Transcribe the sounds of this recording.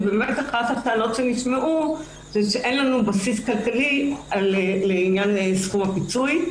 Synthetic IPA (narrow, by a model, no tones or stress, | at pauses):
beːmetaχat̪hap̚t̪eano̞tʃeniʃmeʔu | zeʃeʔenlanubasiskalkalileleinjansχumapit͡suj